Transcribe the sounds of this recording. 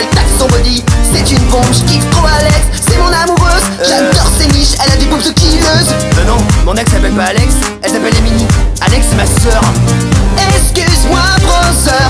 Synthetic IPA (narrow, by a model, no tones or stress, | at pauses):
ɛlt̪aksɔ̃ʁɔd̪isɛt̪ynpɔ̃ʒkʲit̪χoalɛkssɛmɔ̃namuʁøz | ʒad̪ɔʁseniʃɛlad̪ebupt̪əkʲiløz | ənɔ̃mɔ̃nɛkssapɛlpaːlɛks | ɛlsapɛleminialɛksːɛmasœʁ | ɛskəswabʁozœʁ